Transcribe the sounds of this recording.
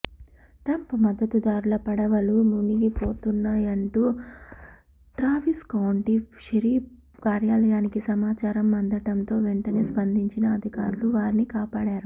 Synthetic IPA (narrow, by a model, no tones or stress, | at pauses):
ʈɾɐmpmɐd̪ːɐt̪ud̪aːɾulɐpɐɽɐʋɐlumuniɡipo̞ːt̪unːaːjɐɳʈuː | ʈɾaːʋiskɐwɳʈiʂɐɾiː | kaːɾjaːlɐjaːnikisɐmaːt͡ʃaːɾɐmːɐnd̪ɐʈɐnt̪o̞ːʋeɳʈɐne̞ːspɐnd̪ʱiɲt͡ʃinɐːd̪ʱikaːɾuluʋaːɾinikaːpaːɽaːɾu